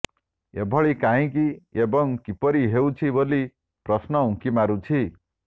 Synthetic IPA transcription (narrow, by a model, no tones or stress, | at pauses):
ebʱʌɭikaĩkiebʌŋkipʌɾiɦewt͡sʰiboli | prʌsnʌũkimaɾut͡sʰi